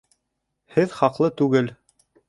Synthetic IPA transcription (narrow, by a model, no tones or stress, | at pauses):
hɘðχɑqlˠɤt̪ʉɡɘl